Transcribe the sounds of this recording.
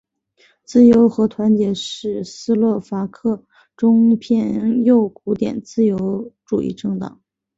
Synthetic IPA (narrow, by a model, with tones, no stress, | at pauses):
t͡sɹ̩˥˩jo˧˥ʊxɤ˧˥t̪ʰwa˧˥nt͡ɕjɛ˧˥ʂɻ̩˥˩sɹ̩˥lwɔ˥˩fa˧˥kʰɤ˥˩ | ʈ͡ʂʊ˥ŋpʰjɛ˥˧njo˥˩ʊkʰu˧˥t̪jɛ̰˨˩nt͡sɹ̩˥˧jo˧˥ʊʈ͡ʂṵ˨˩ʔḭ˥˩˧ʈ͡ʂɤ˥˩ŋt̪ɑ̰˨˩˦ŋ